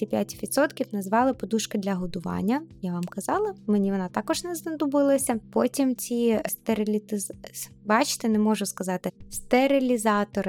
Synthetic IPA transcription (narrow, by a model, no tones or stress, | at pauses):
ipʲjatʲʋʲid̪t̪sɔt̪kʲifnɐzʋɑlˠɪpɔd̪uʃkɐd̪lʲɐɦɔd̪ʊʋɑ̰nʲːɐjaʋɑmkɐzɑlˠɐmenʲiʋɔnɑt̪ɑkɔʒnɛznɐd̪ʊbɪlˠɐsʲɐpɔtʲimt͡sʲist̪eɾɪlʲit̪ɪz | bɑt͡ʃɪ̥t̪enɛmɔʒʊskɐzɑt̪ɪst̪eɾɪlʲizɑt̪ɔɾɪ